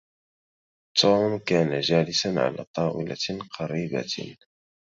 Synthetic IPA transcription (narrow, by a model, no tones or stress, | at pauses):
t̪ʰuːmkaːnad͡ʒaːlɪsanʕa̰la̰ːt̪ˤɑːwɪla̰qʰɑɾiːba̰